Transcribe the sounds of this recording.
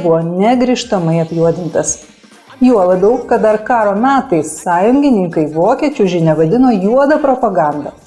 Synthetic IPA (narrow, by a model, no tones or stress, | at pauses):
bʊʋoːnʲɛɡɾʲɪʃt̪ɐmɐɪɐpʲjuɔd̪ʲɪnt̪ɐs | juɔlˠɐd̪ɐʊkkɐt̪̚d̪ɐɾkɑːɾoːmʲæːt̪ɐɪssɑːjʊŋʲɡʲɪnʲɪŋkɐɪʋoːkʲiɛt͡ʃʲʊʒʲɪnʲɛʋɐd̪ʲɪnoːjuɔd̪ɐpɾɔpɐɡɑnd̪ɐ